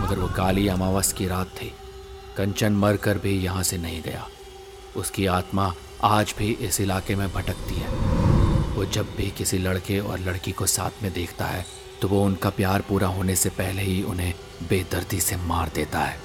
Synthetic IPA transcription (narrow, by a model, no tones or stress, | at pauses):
mɐɡəɾʋokaːliɐmaːʋəskiɾaːt̪ʰːeː | kɐ̃ɲt͡ʃənmɐɾkɐɾbʱijɐɦãsenɐɦĩɡɐ̰ja̰ː | ʊskiaːt̪ma | aːd͡ʒbʱiʔɪsɪlaːkemẽbʱɐʈəkt̪iɦɛː | ʋoːd͡ʒɐbbʱikɪsilɐɽkeɔ̰ːɾlɐɽkikosa̰ːt̪ʰmẽd̪eːkʰt̪a̰ɦɛː | t̪oʋoʊnkapjaːɾpuːɾaɦoːnesepɛɦleɦiʊnɦẽ | beːd̪ɐɾd̪isemaːɾd̪eːt̪aɦɛː